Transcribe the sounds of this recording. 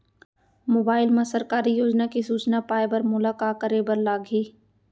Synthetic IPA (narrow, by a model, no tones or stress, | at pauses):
moːbaːɪlmãsɐɾkaːɾijoːd͡ʒnakisuːt͡ʃnapaːebəɾmʊlaːkaːkəɾebəɾlaːɡʱiː